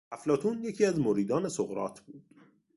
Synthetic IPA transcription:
æflɒːt̪ʰuːnjecʰiːæzmoɾiːd̪ɒːne̞soɣɾɒ̰ːt̪ʰb̥uːd̪̥

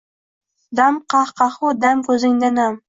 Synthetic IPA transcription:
d̪amqɑχqɑχʊd̪amkʲʰɵzɪŋd̪anam

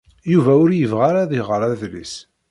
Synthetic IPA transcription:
juvæʊɾjəvʁaɾaðɪʁəɾˤæðlḭs

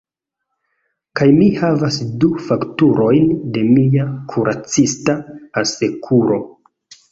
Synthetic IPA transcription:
kajmihavasdufaktuɾo̞jnde̞miakʰuɾʔat͡sistaase̞kʰuɾo̞

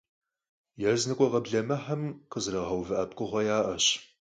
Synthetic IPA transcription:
jɛznɨkʷʼɔʁɐbɮɐmɐħɐmqəzrɐʁɐwvɨʔɐp̚kʷʼʊʁʷɔjaːʔɐɕ

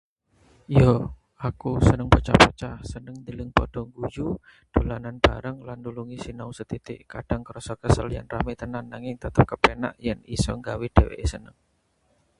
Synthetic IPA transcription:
jɔ | ʔakusənəŋpət͡ʃahpət͡ʃahsənəŋd̪əlɪŋpɔd̥ɔŋɡuju | d̥ulananb̥aɾaŋlanduluŋisinausət̪it̪ɪ̰ʔkad̥aŋkəɾɔsɔkəsəlja̰nramɪt̪ənanːaŋɪŋt̪ət̪əp̚kəpena̰ʔjɛnisɔŋɡawid̥ewḛʔsənəŋ

